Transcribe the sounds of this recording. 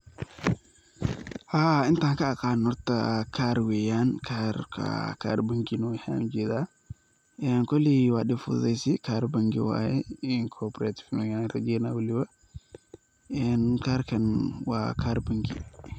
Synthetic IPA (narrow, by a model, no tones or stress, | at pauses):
haint̪aŋkakanɔɾta̰kaɾwɛjankʰaɾka̰ka̰ɾbaŋɡinɔha̰md͡ʒɛda | ɛnkoliwaɗifṵzajsikaɾbaŋɡḭwa̰jɛinkʰɔpɾat̪i̥fnajanɾaɡɛnawuliwa | ɛnkaɾkɐnwa̰kaɾbaŋɡḭ